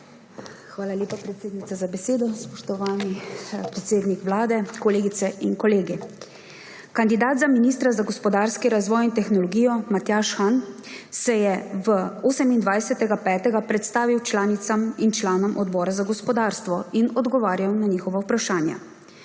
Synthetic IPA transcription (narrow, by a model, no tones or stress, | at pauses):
xʋaːlaljeːpapɾɛt̪seːd̪nit̪sazabɛseːd̪ɔspɔʃt̪ɔʋaːnipɾɛt̪seːd̪nikʋlaːd̪ɛkɔleːɡit̪sɛʔinkɔleːɡi | kand̪id̪aːd̪zaminiːst̪ɾazaɡɔspɔd̪aːɾskiɾazʋɔːjint̪ɛxnɔlɔɡiːjɔmat̪jaːʃxan | sɛjɛʋəoːsɛmind̪ʋajsɛt̪ɛɡapɛːt̪ɛɡapɾɛt̪st̪aːʋiwt͡ʃlaːnit̪samint͡ʃlaːnɔmʔɔd̪bɔːɾazaɡɔspɔd̪aːɾst̪ʋɔinɔd̪ɡɔʋaːɾjawnaɲiːxɔʋawpɾaʃaːnja̰